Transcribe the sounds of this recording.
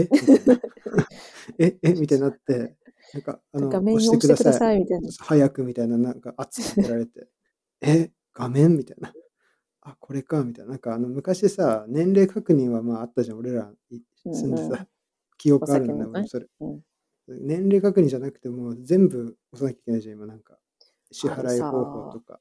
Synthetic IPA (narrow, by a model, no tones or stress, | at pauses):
emina | eemʲit̪anat̪ːe̞ | nãŋka̰ːnoɕitekɯd̪asaisahajakɯ̟mʲit̪ainanãŋkaʔat͡sɨ̥tat̪eɾaɾe̞t̪e̞ | e | ɡ̥amẽ̞mːʲit̪aina | akʰo̞ɾe̞kamʲit̪ainanaŋkaːnomɯ̟kaɕid̪esanẽ̞nɾe̞ːkʰakɯ̟ɲ̟ĩɰ̃βamaːat̪ːaʑão̞ɾe̞ɾa | i | sɨ̃nd̪esa | kʲijo̞kɯ̟aɾɯ̟nd̪akoso̞ɾe | nẽ̞nɾe̞ːkakɯ̟ɲ̟ĩɲd͡ʑanakɯ̟̥t̪e̞mo̞ːzẽ̞mbɯ̟ | o̞sanakʲaikʲe̞naiʑãimanãŋka | ɕihaɾaiho̞ːho̞ːt̪o̞ka̰